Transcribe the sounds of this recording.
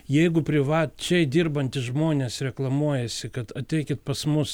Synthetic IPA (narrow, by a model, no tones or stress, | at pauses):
jɛɪɡʊpʲɾʲɪʋɑːtt͡ʃʲɛɪd̪ʲiːrbɐnʲt̪ʲɪsʒmoːnʲeːsɾʲɛklˠɐmuɔjɛsʲɪkɐt̪ɐt̪ʲɛɪkʲɪt̪̚pɐsmʊs